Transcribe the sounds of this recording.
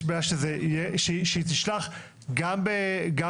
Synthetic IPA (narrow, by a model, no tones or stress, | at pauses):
beaʃezejɛʃeʃeit̪iʃlaχ | ɡambeɡa